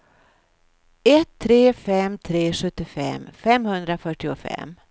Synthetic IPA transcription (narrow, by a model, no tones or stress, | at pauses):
ɛt̪ʰːɾeːfɛmt̪ʰɾeːʂɵt̪ːɪfɛ̰mfɛmhɵnd̪ɾafœʈːɪʊfɛ̰mː